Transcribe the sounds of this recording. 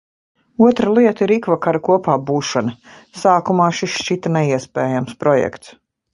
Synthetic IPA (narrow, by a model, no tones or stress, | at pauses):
uɔt̪ɾɐlˠiɛt̪əiɾikvakaɾɐkuɔpaːbuːʃanɐ | saːkumaːʃisʃt͡ʃit̪ɐnɛiɛspɛːjamspɾɔjɛ̰kt̪s